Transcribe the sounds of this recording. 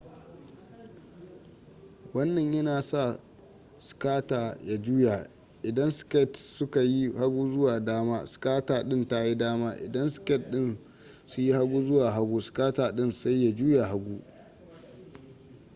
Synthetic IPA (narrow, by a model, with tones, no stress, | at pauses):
wɐ˦nːɐ˨ɲjɐ˦naː˨sa˦˨ | skaː˦taː˨ja˦d͡ʒuː˦ja˨ | ʔɪ˨dɐ˦nskɛ˦˨tsʊ˦ka˨ji˦ha˦ɡʷuː˦zʊ˦waː˨daː˦maː˦skaː˦taː˨ɗɪ˦nta˦ji˦daː˦maː˦ʔɪ̰˨dɐ˦nskʲɛ˦˨t̚ɗɪ˦˨n | sʊ˦ji˦ha˦ɡʷuː˦zʊ˦waː˨ɦa˦ɡʷuː˦skaː˦taː˨ɗɪ˦˨nsa˦jːa˨d͡ʒuː˦ja˨ɦa˦ɡʷuː˦